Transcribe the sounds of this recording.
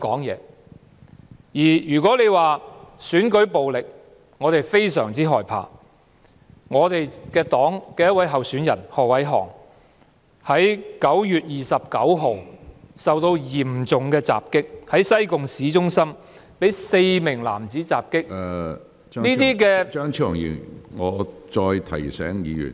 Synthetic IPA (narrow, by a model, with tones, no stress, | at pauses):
kɔː˨˥ŋjɛ̰ː˨˧ | jiː˨˩jyː˨˩kʷɔː˨˥le˨˧jwaː˨syː˨˥nkɵ˨˥ɥpo˨wlɪ˨k̚ | ŋɔː˨˧t̪e˨jfe˥jsœː˨˩ŋt͡siː˥ɦɔː˨˩jpʰa̰ː˨˧ | ŋɔː˨˧t̪e˨jkɛː˧t̪ɔː˨˥ŋkɛː˧jɐ˥t̚wɐ˨˥jɦɐ˨wsyː˨˥njɐ̰˨˩nhɔː˨wɐ˨˥jɦɔ̰ː˨˩ŋ | hɐ˨˥jkɐ˨˥wjyː˨t̚jiː˨sɐ˨p̚kɐ˨˥wɦo˨wsɐ˨wt̪o˧wjiː˨˩mt͡sʊ˨ŋkɛː˧t͡sa̰ː˨p̚kɪ˥k̚hɐ˨˥jsɐ˥jkʊ˨ŋsiː˨˥t͡ʃʊ˥ŋsɐ˥m | pe˨˥jse˧jmɪ˨˩ŋla̰ː˨˩mt͡siː˨˥t͡saː˨p̚kɪ˥k̚ː | niː˥t̪iː˥kɛː˧œ˥ŋt͡ʃʰi˥ɔ̰˨˩ŋjḭː˨˩ŋɔː˨˧t͡ʃɔː˧jt̪ʰɐ̰˨˩jsɛ̰ː˨˥ŋjiː˨˧jy̰ː˨˩n